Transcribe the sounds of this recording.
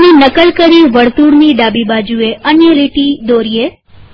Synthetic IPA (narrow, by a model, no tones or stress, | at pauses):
ninəkəlkəɾiʋəɽt̪uɽniɖabibad͡ʒueʔənjəɾiʈid̪oɾie